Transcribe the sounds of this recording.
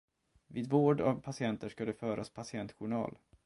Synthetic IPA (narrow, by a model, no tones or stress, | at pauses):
viːd̪voːɖavpʰasɪɛnt̪əʂkad̪ɛfœːɾaspʰasɪɛnt̪ɧʊɳɑ̰ːl